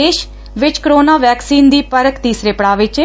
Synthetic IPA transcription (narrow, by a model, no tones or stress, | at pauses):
eːʃ | ʋɪt͡ʃkɾoːnaːʋɛːksiːnd̪iːpəɾəkt̪iːsɾeːpɽaːʋɪt͡ʃ